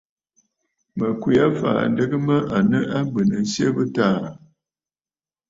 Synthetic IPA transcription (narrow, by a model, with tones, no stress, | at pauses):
mə˨kwi˨˦a˦fa̰ː˨n˦də˦ɡə˦mə˦ʔa˨nə˦ʔa˦mbə˨nə˨n˦sjə˦bə˦taː˦˨